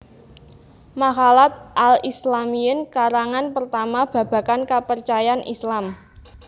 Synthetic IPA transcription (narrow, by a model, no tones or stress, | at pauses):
maɦalat̪̚ʔalislamiənkaɾaŋanpərt̪amab̥ä̤b̥ä̤kankapərt͡ʃajaanʔḭslam